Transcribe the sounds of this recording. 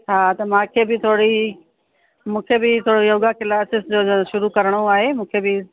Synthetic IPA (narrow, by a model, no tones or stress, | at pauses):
aːt̪ɐmãːkʰeːbɪt̪ʰoːɽi | mũːkʰebɪt̪ʰoːɽojoːɡakɪlaːsɪsd͡ʑoːʃʊɾukɐɾəɽ̃oaːɦemũːkʰebɪ